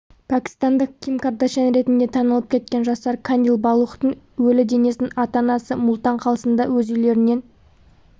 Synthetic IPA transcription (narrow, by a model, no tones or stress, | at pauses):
pʰækʲi̥st̪ɑnd̪əq̚kʲʰimkaɾd̪ɑʃɑnɾe̞t̪ɪnd̪e̞t̪ʰɑnəlˠəp̚kʲʰe̞t̪̚kʲenʒɑst̪ɑɾkʰanilˠbɑlˠuχt̪əɴ | wɵlɪd̪e̞ne̞snɪnɑt̪ɑnɑsəmʊlˠt̪ɑɴqʰɑlˠəsənd̪ɑwɵzijle̞ɾɪne̞n